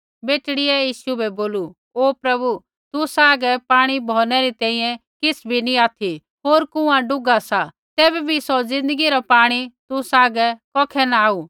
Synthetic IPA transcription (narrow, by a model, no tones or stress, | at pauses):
beːʈɽɪɛjiːʃubɛboːlu | oːpɾɐbu | t̪usaːɡɛpaːɽ̃ibʱɔːnɛɾit̪ɛ̃ːĩjɛ̃kɪsbʱinĩaːt̪ʰi | ɦoːɾkʊ̃ãɖʊɡasa | t̪ɛːbɛbʱisod͡zɪ̃nd̪əɡiɾɔpaːɽ̃it̪usaːɡɛkɔːkʰɛnaaːu